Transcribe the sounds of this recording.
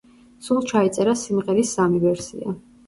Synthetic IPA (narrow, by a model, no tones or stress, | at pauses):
sulˠt͡ʃʰait̪sʼɛɾasimʁɛɾisːamivɛɾsḭa